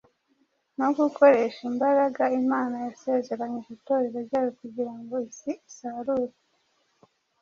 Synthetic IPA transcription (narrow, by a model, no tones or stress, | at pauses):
noɡuko̞ɾe̞ʃimbaɾaɡaimaːnajase̞ːze̞ɾaɲeβito̞ːɾeɾeɾɟaːjokuɟiɾaŋɡo̞isiisaɾuːɾa